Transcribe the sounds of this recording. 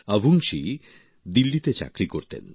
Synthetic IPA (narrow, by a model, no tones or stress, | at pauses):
abʱuŋʃi | d̪ilːit̪et͡ɕa̰kɾikoɾt̪ḛn